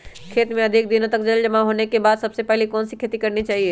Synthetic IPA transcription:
kʰeːt̪mẽɐd̪ʱik̚d̪inõt̪əkd͡ʒəld͡ʒəmãɦoːnekebaːd̪səbsepɛɦlikɔːnsikʰeːt̪ikəɾnit͡ʃaːɦie

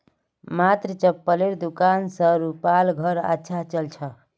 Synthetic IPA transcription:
mat̪ɾət͡ʃəpːəleɾd̪ukansə̃ɾupalɡʱəɾə̰tːʃʰat͡ʃəlt͡ʃʰə

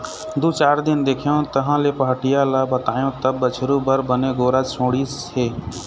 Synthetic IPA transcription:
d̪ut͡ʃaːɾd̪ɪnd̪eːkʰijõt̪əɦãlepəɦəʈɪjalabət̪aːjõt̪əbːət͡ʃʰɾubəɾbəneɡoːɾat͡ʃʰõːɽis | eː

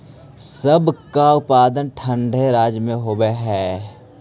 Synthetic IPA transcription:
səbkaʊpaːd̪ənʈʰə̃ɳɖʱeɾaːd͡ʒmẽɦoːbeɦɛː

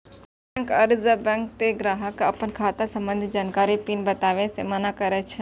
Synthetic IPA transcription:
ɛ̃ŋkəɾzəbɛ̃ŋk̚t̪eɡɾaːɦəkɐpənkʰaːt̪asɐ̃mbə̃nd̪ʱid͡ʒaːnkaːɾipinbɐt̪aːʋẽsemanakəɾɛt͡ʃʰ

